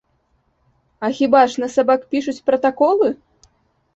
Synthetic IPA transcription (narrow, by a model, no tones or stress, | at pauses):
ɐxʲibaʂnɐsabakpʲiʂut͡sʲpɾɐt̪akɔlˠɨ